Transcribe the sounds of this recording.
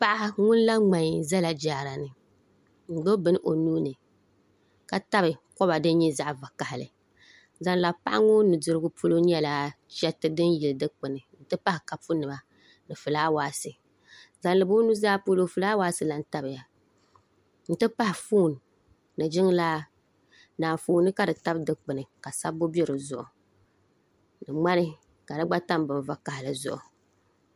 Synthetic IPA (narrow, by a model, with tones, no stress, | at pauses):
pa˦ʔa˦ŋʊ˦n˦la˦ŋ͡ma˨ɲ˨za˦la˨d͡ʒaː˨ɾa˨nɨ˨ | n̩˨ɡ͡bo˦bɨ˦n˦ʔo˨nuː˦nɨ˨ | ka˨ta˦bɨ˨kɔ˦ba˨dɨ˦n˦ɲɛ˦za˦ʔva˨ka˨hɪ˨lɨ̰˨ | za˦nla˨pa̰˦ʔa̰˦ŋʊ˦nɨ˨dʊ˨ɾɨ˦ɡʊ˦pʰu˦lo˦ɲ˦ɛ˦la˨ | t͡ʃɛ˦tɨ˦dɨ˦njɪ˨lɨ˨dɨ˦k͡pɨ˨nɨ˨n̩˦tɨ˦pa˦hɪ˨ka˨pu˦nɨ˨ba˦ | nɨ˨fɨ˨laː˦waː˦sɨ˨ | za˨nlɨ˨bʊ˦nu˦zaː˦pu˦lo˦fɨ˨laː˦waː˦sɨ˨la˨n̩˦ta˦bɨ˨ja˨ | n̩˦tɨ˦pa˦hɪ˨fuː˦˨nː˨ | ɨ˨d͡ʒɪ˦ŋ˦laː˦ | naː˨fuː˦˨˦nɨ˦ka˨dɨ˨ta˦bdɨ˦k͡pɨ˨nɨ˨ka˨sa˦bːo˦bɛ˦ɾɨ˨zʊ˨ʔʊ˨ | nɨ˨ŋ͡ma˦nɨ˦ | ka˨dɨ˦ɡ͡ba˦ta˦mbɨ˨ɱ˨va˦ka˨hɪ˨lɨ˨zʊ̰˨ʔʊ˨